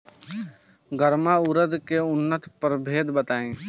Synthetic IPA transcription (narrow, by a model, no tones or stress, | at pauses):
ɡəɾmaːʊɾəd̪keʊnːət̪pəɾbʱeːd̪bət̪aːẽː